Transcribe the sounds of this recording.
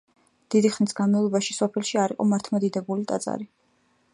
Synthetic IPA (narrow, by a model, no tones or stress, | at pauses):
d̪̥id̪iχnisɡanmavlˠɔbaʃi̥sɔpʰɛlˠʃiaɾiqʼɔ̰maɾt̪ʰmɔd̪id̪ɛbulit̪ʼa̰t̪sʼa̰ɾi